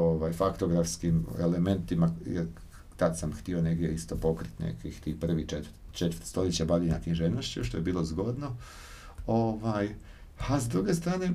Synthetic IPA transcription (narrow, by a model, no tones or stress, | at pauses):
oʋaːjfakt̪o̞ɡɾafskimele̞me̞nt̪imajḛɾ | t̪ad̪samxt̪io̞ne̞ɡdʲje̞ist̪o̞po̞kɾit̪nḛkixt̪ixpr̩ʋit͡ʃet̪ | t͡ʃet̪ʋɾt̪st̪o̞ljet͡ɕabaliɲakiʒenoʃt͡ɕiʃ̬t̪o̞je̞biːlˠozɡo̞d̪no̞ | oʋaːj | azd̪ɾuːɡe̞st̪ɾaːne̞